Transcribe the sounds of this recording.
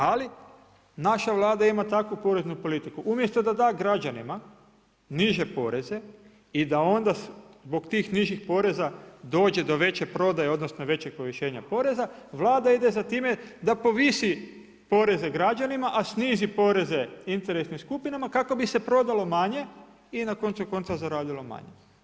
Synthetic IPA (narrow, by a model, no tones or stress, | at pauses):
ali | naʃaʋlˠaːd̪aimat̪akʋupo̞ɾe̞znupo̞lit̪ikuʔumjest̪o̞d̪ad̪aːɡɾad͡ʒanima | niʒe̞po̞ɾe̞ze̞ | id̪ao̞nd̪azbo̞ɡt̪iːxniʒixpo̞ɾe̞zad̪o̞ːd͡ʒe̞d̪o̞ʋe̞t͡ɕepɾo̞d̪ajeo̞d̪no̞sno̞ʋe̞t͡ɕeɡ̚po̞ʋiʃe̞ːɲapo̞ɾe̞zaʋlˠaːd̪aid̪ezat̪iːme̞d̪apo̞ʋisi | po̞ɾe̞ze̞ɡɾad͡ʒanimaʔasniːzipo̞ɾe̞ze̞int̪e̞ɾe̞snimskupinamakako̞bise̞pɾo̞d̪alo̞maɲe̞ | inako̞nt̪suko̞nt̪sazaɾaːlilo̞ma̰ɲḛ